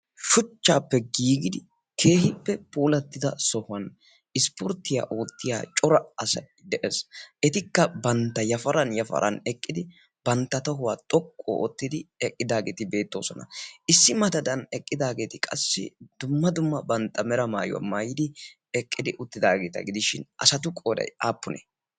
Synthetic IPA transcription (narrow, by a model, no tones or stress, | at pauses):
ʃʊt͡ʃːaːpːɛɡiːɡɪd̪ɪ | kʰe̞ːhɪpːɛpʼuːlɐt̪ːɪd̪ɐsɔhʊɐn | ɪspɔɾt̪ːɪja̰ːʔoːt̪ːɪja̰ːt͡ʃʼɔɾɐɐsɐ | d̪ɛʔɛsʔɛt̪ɪkːɐbɐnt̪ːɐjɐfɐɾɐnjɐfɐ̰ɾʔɐ̰nɛkʼːɪd̪ɪ | bɐnt̪ːɐt̪ɔɦʊwaːt̪ʼɔkʼːo̰ʔot̪ːɪd̪ɪɛkʼːɪd̪aːɡeːt̪ɪbe̞ːt̪ːo̞ːsɔnɐ̰ɪsːɪmɐd̪ɐd̪ɐnɛkʼːɪd̪aːɡe̞ːt̪ɪkʼɐ̰sːɪ̰d̪ʊmːɐd̪ʊmːɐbɐnt̪ːɐmɛɾɐmaːjʊ̰wa̰maːjɪd̪ɪ | ɛkʼːɪd̪ɪʔʊt̪ːɪd̪aːɡeːt̪ɐ̰ɡɪd̪ɪʃɪnɐ̰sɐt̪ʊkʼoːdɐ̰jaːpːʊnɛ̰